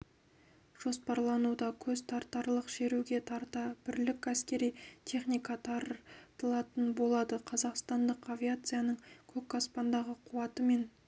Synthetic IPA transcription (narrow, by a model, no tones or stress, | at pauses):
ʒ̥o̞spɑɾlˠɑnud̪ɑkʲʰɵzt̪ʰɑɾt̪ːɑɾlˠəqʃe̞ɾuɡʲe̞t̪ʰɑɾt̪ɑb̥ɪɾlɪkʲæskʲe̞ɾijt̪ʰe̞χnijkɑt̪ʰɑɾt̪əlˠɑt̪ənbo̞lˠɑd̪əqʰɑzɑqst̪ɑnd̪əqavʲijat̪sɨjanəɴkʲʰɵkːaspɑnd̪ɑʁəqʰuwɑt̪əme̞n